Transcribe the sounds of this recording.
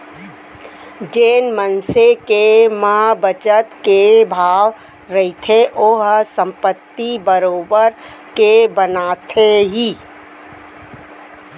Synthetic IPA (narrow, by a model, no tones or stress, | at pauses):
d͡ʒeːnmənsekemãbət͡ʃət̪kebʱaːʋ | ɾəit̪ʰeʔoɦsə̃mpət̪ːibəɾoːbəɾ | kebənaːt̪ʰeɦiː